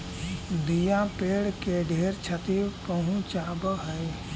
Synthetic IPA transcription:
d̪ijãːpeːɽkeɖʱeːɾt͡ʃʰət̪ipəɦũt͡ʃaːbɦəe

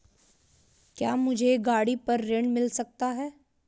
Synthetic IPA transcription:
kjaːmʊd͡ʒʱeɡaːɽipɐɾːẽːɳɖmɪlsɐk̚t̪aɦɛː

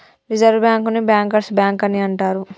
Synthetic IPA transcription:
ɾid͡ʒɐɾʋbjaːŋkunibjaːŋkɐɾsbjaːŋkɐniɐɳʈaːɾu

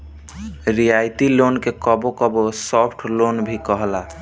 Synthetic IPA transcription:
ɾijajt̪ilonkekɔbokɔbosɔpʰʈʰlonbʱikɔɦla

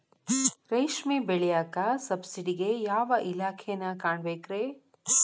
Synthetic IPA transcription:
ɾɐjʃmibeɭɛjaːkɐsɐbsiɖiɡejaːʋɐʔilaːkʰɛjɐnːɐkaːɳbeːkɾeː

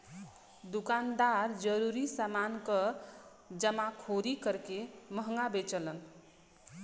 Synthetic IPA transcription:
d̪ukand̪aɾd͡ʒəɾuɾisamankə | d͡ʒəmakʰoɾikəɾkeməɦŋɡabet͡ʃələn

